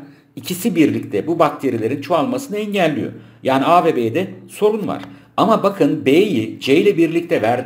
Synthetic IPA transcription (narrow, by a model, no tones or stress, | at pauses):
icʰisibiɾlʲic̚t̪ʰɛbubak̚t̪ʰe̞ɾilʲe̞ɾint͡ʃʰoalˠmasɯnɯɛɲɟælʲːijo̰jaːniaːveːbed̪ɛso̞ɾunva̰ɾ̥ | amabakʰɯnbejid͡ʒejilʲɛbiɾlʲic̚t̪ʰɛvæɾd̪